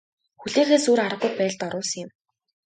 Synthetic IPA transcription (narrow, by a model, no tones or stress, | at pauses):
xuɮeːxeːsuːɾaɾə̆qːuj̚pæːɮt̪ɔɾʊːsə̆ŋjɪ̆m